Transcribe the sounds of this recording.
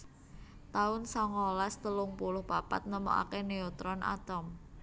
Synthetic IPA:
t̪aʊnsɔŋɔlast̪əlʊŋpulʊhpapa̰t̪̚nəmo̰ʔa̰keneɔt̪ɾɔnʔa̰t̪ɔm

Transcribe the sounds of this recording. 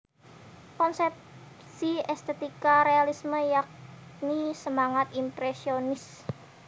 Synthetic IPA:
kɔnsɛp | siɛst̪et̪ikaɾealisməjak̚nisəmaŋat̪impɾesionɪs

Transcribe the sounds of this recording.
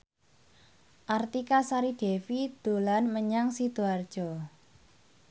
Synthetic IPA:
ʔart̪ikasaɾiɖ̥e̤fid̪̥o̤lanməɲaŋsid̪̥uard̥ʒ̥ɔ̤

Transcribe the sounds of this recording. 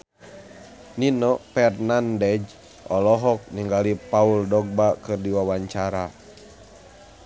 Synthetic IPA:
ninɔpɛrnandɛd͡ʒ | ɔlɔɦɔk̚niŋɡalipauldɔɡ̚bakɨrdiwawaɲt͡ʃaɾa

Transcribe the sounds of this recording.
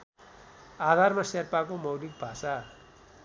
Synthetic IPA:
ad̪ʱarmaserpakomʌwlik̚bʱasa

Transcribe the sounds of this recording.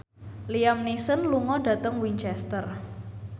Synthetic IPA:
liamnisənluŋɔɖ̥a̤t̪əŋwiɲt͡ʃɛst̪ər

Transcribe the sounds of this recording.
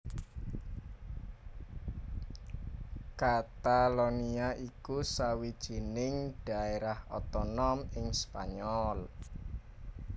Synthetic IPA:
kat̪aloniaʔikusawid̥ʒ̥i̤nɪŋɖ̥a̤eɾahɔ̰t̪ɔnɔmɪŋspa̰ɲɔl

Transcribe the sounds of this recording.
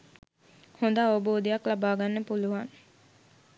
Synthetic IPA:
hond̪aːʋəboːd̪ejaklabaːɡanːəpuluʋaŋ

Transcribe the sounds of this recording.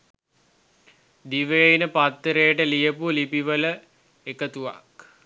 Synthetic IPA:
d̪iʋəjəjnəpat̪ːəɾejəʈəlijəpulipiʋələ | ekət̪uʋa̰k

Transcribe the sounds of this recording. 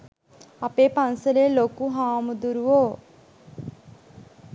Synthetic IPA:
apepansəɾelokuɦaːmd̪uɾuo

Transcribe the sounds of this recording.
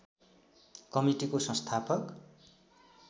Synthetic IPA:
kʌmiʈikosʌ̃nst̪ʰapʌk

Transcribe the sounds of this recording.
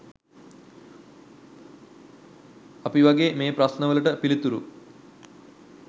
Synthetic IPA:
apiʋaɡeːmeːpɾɐsnəʋəluʈəpilit̪uɾu

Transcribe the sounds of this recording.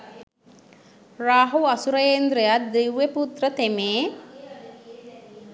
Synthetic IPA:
raːɦuɐsuɾɐjeːnd̪ɾejat̪̚d̪iwʋeput̪rət̪emeː

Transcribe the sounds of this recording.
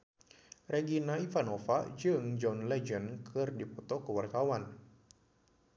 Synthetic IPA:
reɡinaifanofa̰d͡ʒɨŋd͡ʒɔnlɛd͡ʒənkʰɨrdipɔt̪ɔkəwarkawan

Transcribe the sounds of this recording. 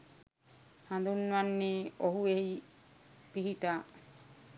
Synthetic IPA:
hand̪unːʋanːeoɦueɦi | piɦit̪a

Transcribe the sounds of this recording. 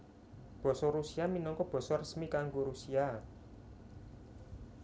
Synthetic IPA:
b̥ɔ̤sɔrusiaminɔŋkɔb̥ɔ̤sɔrəsmikaŋɡoɾusia

